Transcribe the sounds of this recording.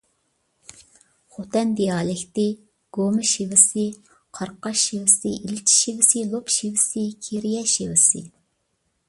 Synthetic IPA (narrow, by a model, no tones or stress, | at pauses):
χot̪ɛnd̪ijɑːlɪkʲt̪ɪ | ɡ̥omɨʃivɪsɪ | qʰɑɾqɑʃiwɪsɪʔilt͡ʃʰi̥ʃivɪsɪlˠopʃivɪsɪkʲʰeɾijɛʃiwɪsɪ̰